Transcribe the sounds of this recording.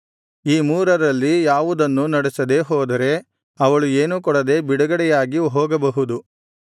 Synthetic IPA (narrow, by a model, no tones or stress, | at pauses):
iːmuːɾɐɾɐlːijaːʋud̪ɐnːunɐɽɛsɐd̪e̞ɦɔːd̪ɐɾe̞ | ɐʋɐɭue̞ːnukɔɽɐd̪e̞biɽɐɡɐɽɛjaːɡiɦɔːɡɐbɐɦud̪u